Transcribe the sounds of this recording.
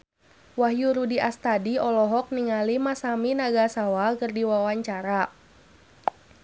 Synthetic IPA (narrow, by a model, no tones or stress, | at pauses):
waɦjuɾudiʔast̪adiɔlɔɦɔk̚niŋalimasaminaɡasawakərdiwawaɲt͡ʃaɾa